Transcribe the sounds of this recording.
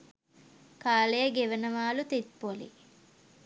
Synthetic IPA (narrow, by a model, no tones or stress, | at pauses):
kaːlejəɡeʋənəʋaːlut̪it̪̚polḭ